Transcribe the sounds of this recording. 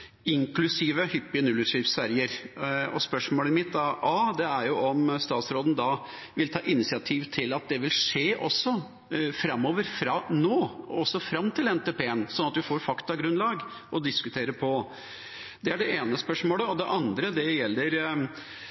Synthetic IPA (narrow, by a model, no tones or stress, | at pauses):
ɪŋklʉsiːʋəhʏpːɪənʉlːʉʂɾɪfsæɾɪəɾɔ̰spœʂmoːləmɪt̪ːd̪ɑʔɑːd̪ɛæɾjʊʔɔmst̪ɑːt̪sɾoːd̪n̩d̪ɑ | ʋɪlt̪ʰɑːʔɪnɪsɪɑt̪ʰiːʋt̪ʰɪlɑt̪̚d̪ɛʋɪlʂeːʔɔsːɔ | fɾɑmːoːʋəɾfɾɑnoːɔsːɔfɾɑmːt̪ʰɪlɛnt̪eːpʰeːənsɔnɑt̪ʋɪfoːɾfɑkt̪ɑɡɾʉnlɑːɡ | ɔd̪ɪskʉt̪ʰeːɾəpʰɔ | d̪̥ɛæɖɛeːnəspœʂmoːləɔd̪ɛʔɑnd̪ɾəd̪ɛjɛlːəɾ